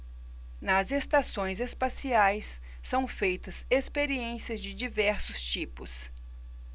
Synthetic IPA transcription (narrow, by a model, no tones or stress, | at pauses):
nɐzest̪asõj̃zespasiajsː | ɐ̃w̃fejt̪ɐsespeɾiẽsiɐzd͡ʒɪd͡ʒivɛɾsʊst͡ʃipʊs